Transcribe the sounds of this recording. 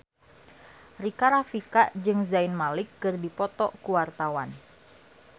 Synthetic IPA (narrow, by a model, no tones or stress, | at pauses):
rikaɾafikaʔd͡ʒɨŋzaɪnmalɪkːɨrdipɔt̪ɔʔkuwart̪awan